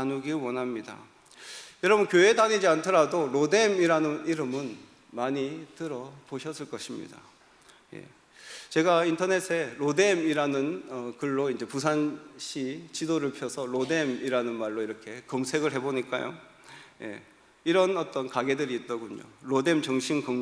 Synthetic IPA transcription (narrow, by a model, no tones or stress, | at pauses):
anuɡiwʌnɦamɲida̰ | jʌɾʌbʌnkjoe̞daɲid͡ʑiantʰʌɾadoɾode̞miɾanɯniɾɯmɯn | maɲitɯɾʌpoɕʰʌs͈ɯɭk͈ʌɕʰimɲḭda̰ | je̞̰ | t͡ɕe̞ɡaintʰʌne̞sʰe̞ɾode̞miɾanɯnʌkɯɭːoind͡ʑe̞pus̬ʰanɕʰit͡ɕidoɾɯɭpʰjʌsʰʌɾode̞miɾanɯnmaɭːoiɾʌkʰe̞kʌmsʰe̞ɡɯɭɦe̞boɲik͈a̰jo̰ | je̞̰ | iɾʌnʌt͈ʌnkaɡe̞dɯɾiːt͈ʌɡuɲo̰ɾode̞mt͡ɕʌŋɕʰimkʌŋ